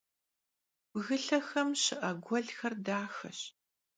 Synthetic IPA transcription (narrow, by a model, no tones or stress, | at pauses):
b̥ɣɨɬɐxɐmɕɪʔɐɡʷɔɮxɐrdaːxɐ̰ɕ